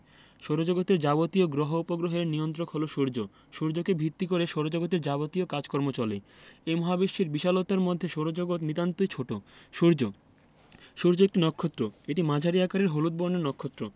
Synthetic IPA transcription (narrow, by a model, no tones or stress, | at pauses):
ʃoɾod͡ʑoɡot̪eɾd͡ʑabot̪ioɡɾoɦoupoɡɾoɦeɾniont̪ɾokɦoloʃoɾd͡ʑo | ʃoɾd͡ʑokebʱit̪ːikoɾeʃoɾod͡ʑoɡot̪̬eɾd͡ʑabot̪iokad͡ʑkɔɾmot͡ɕɔlḛemɔɦabiʃːiɾbiʃalot̪aɾmod̪ʱːeʃoɾod͡ʑoɡot̪nit̪ant̪ojt͡ɕʰoʈooɾd͡ʑo | ʃoɾd͡ʑoek̚ʈinɔkʰːot̪ːɾoeʈimad͡ʑʱaɾiakaɾeɾɦolut̪̚boɾneɾnɔkʰːot̪ːɾo